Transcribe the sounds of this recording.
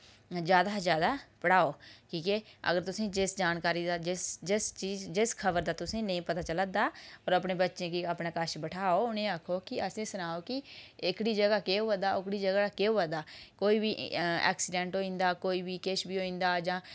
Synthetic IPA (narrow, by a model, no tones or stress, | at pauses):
d͡ʒjaːd̪aːd͡ʒjaːd̪aːpəɽaːoːkiːkɛːə̰ɡəɾt̪ʊsĩːd͡ʒɪsd͡ʒaːnkaːɾiːd̪aːd͡ʒɪsd͡ʒɪst͡ʃiːzd͡ʒɪskʰəbəɾd̪aːt̪ʊsĩːnəĩːpət̪aːt͡ʃələd̪aːɔːɾəpneːbətːʃẽːkiəpnãːkəʃbəʈʰaːoːʊnẽːakʰoːkɪəsẽːsʊnaːoːkɪɪkɽiːd͡ʒəɡaːkeːoːəd̪aːʊkɽiːd͡ʒəɡakeːoːʋə̃d̪aːkoːiːbiːɛ̰ːksɪɖɛ̃ːɳʈoːĩːnd̪aːkoːiːbiːkɪʃbiːoːĩːnd̪aːd͡ʒãː